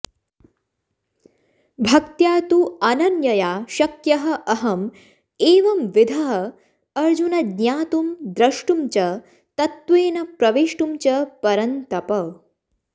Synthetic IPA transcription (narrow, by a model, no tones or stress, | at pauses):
bʱɐk̚t̪jaːt̪uɐnɐnjɐjaːʃɐkjɐɦɐ̆ʔɐɦɐm | eːʋɐmʋid̪ʱɐɦɐ | ɐɾd͡ʒunɐd̪ɲjaːt̪umd̪ɾɐʂʈumt͡ʃɐ | t̪ɐt̪ʋeːnɐpɾɐʋeːʂʈumt͡ʃɐpɐɾɐnt̪ɐpɐ